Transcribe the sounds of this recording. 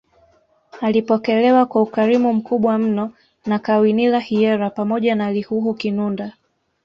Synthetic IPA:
alipɔkɛlɛwakwaukaɾimum̩kuɓwam̩nɔ | nakawinilahiɛɾapamɔʄanalihuɦukinunda

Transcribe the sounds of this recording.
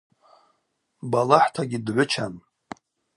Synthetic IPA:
balaħtʰaɡʲidʕʷʊt͡ʃʰan

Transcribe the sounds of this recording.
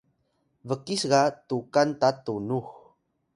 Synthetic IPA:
vəkisɣatukantatunux

